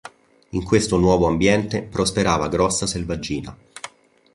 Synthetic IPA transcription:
iŋkwest̪onwɔːvoambjɛnt̪epɾospeɾaːvaɡɾɔsːaselvad͡ʒːiːna̰

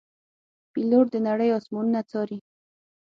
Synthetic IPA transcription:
piloʈd̪ənaɽəjɑsmununat͡sɑɾi

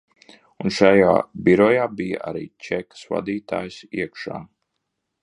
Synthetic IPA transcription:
unʃaja̰ːbiɾɔjaːbija̰ʔa̰ɾḭːt͡ʃɛkḁsva̰d̪iːt̪a̰ːjsiɛkʃa̰ː

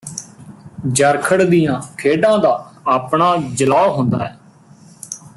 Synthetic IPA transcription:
d͡ʒəɾkʰəɽd̪ijãːkʰeːɖãːd̪aːaːpɳaːd͡ʒəlaːoɦõnd̪a̰ːɛː

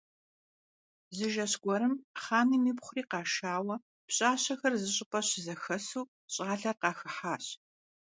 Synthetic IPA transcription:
zɨʒɐɕɡ̥ʷɔɾɨmχaːniːmiːpχʷʊriːqɑːʃaːwɐ | pɕʼaːɕɐxɐrzɨɕʼɪpʼɐɕzɐxɐsuː | ɕʼaːɮɐrqɑːxɨħaːɕ

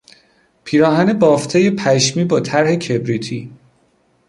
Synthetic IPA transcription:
pʰiːɾɒːɦænebɒːft̪ʰeje̞pʰæʃmiːbɒːt̪ʰæɾhe̞cʰebɾiːt̪ʰiː

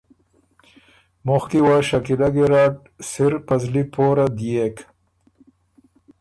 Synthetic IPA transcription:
mʊxkiwaːʃakilaɡeɾaːʈ̚ | siɾpɐzlipʰoːɾad̪ijek

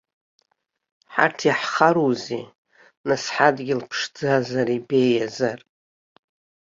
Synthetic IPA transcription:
ħa̰tʰaħχaɾuzi | nasħadɡʲɪlpʰʂd͡zazaribe̞jazar

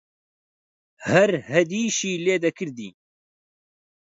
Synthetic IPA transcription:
hɐɾhɛd̪iːʃiːleːd̪ɐkʰɨɾd̪ḭː

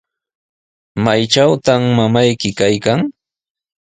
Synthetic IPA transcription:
majt͡ʃawt̪amːamajkɪkajkaŋ

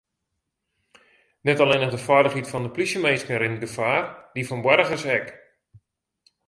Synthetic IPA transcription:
nɛtaleːnəχdəfɔjdəχɦitfɔndəplisjəmejskənɾɪnɡəfaːrdifɔnbwɛɾəɣəsɛk

